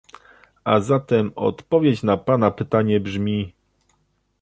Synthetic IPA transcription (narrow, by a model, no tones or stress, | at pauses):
a̰zat̪ɛmɔ̰t̪pɔvʲjet͡ɕnapanapɘt̪aɲɛbʐmʲi